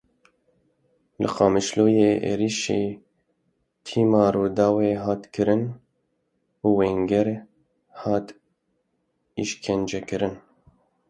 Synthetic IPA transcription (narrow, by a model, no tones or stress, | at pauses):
lɨ̰qɑːmɨʃloːjeːʔḛːɾiʃeː | t̪ʰiːmɑːɾoːd̪ɑːweːɦɑːt̪kʰɨɾɨn | uːweŋɡɛɾ | hɑːt̪ | ḭʃkʰɛnd͡ʒɛkɨɾɨn